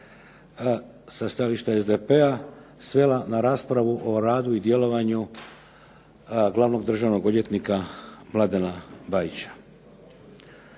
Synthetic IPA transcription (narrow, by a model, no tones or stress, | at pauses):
sast̪aliʃt̪aezd̪epeasʋe̞lanaɾaːspɾaʋuʔo̞ɾaːd̪uid̪je̞lo̞ʋaɲu | ɡlˠaʋno̞ɡd̪r̩ʒaʋno̞ɡo̞d̪je̞t̪nikamlˠad̪enabajit͡ɕḁ